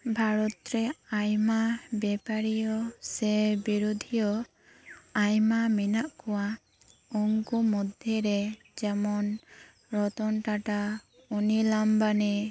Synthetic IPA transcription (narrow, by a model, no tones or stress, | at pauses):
bʱaɾɔt̪ɾɛajmabɛpaɾijɔsɛbiɾud̪ʱijɔ | ajmaminaʔkɔwa | ɔŋkumɔd̪ʱjɔɾɛ | d͡ʒɛmɔn | ɾɔt̪ɔnʈaʈa | unilambani